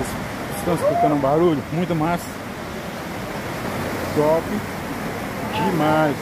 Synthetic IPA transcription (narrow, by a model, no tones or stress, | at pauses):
s | ist̪ɐ̃mʊspokɐ̃nʊũbaɾuʎʊmũj̃t̪ʊmajs | sɔfɪ | d͡ʒɪmajs